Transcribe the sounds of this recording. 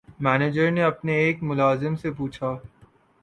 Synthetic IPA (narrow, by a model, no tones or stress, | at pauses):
mɛːneːd͡ʒəɾneɐpneeːkmʊlaːzɪmsep̬uːt͡ʃʰaː